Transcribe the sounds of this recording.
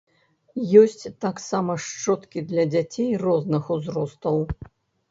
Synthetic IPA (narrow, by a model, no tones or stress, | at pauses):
jɔsʲt͡sʲt̪aksamɐʂt͡ʂɔt̪kʲid̪lʲɐd͡zʲat͡sʲejrɔznɨxuzrɔst̪ɐw